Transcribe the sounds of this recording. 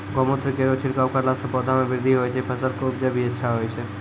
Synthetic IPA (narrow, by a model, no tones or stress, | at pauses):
ɡɔːmõt̪ʰɾəkeːɾot͡ʃʰɪɾkawkaɾlaːsəpɔːd̪ʱamẽʋɪɾd̪ʱiɦoːjt͡ʃʰɛpʰɐsəlkoʊpd͡ʒabʱiɐtːʃʰaɦoːjt͡ʃʰɛ